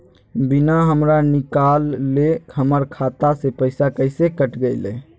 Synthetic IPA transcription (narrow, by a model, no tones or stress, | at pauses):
binaɦəmɾanikalːehəməɾkʰat̪asepəɪsakəɪsekəʈɡəɪlḛ̃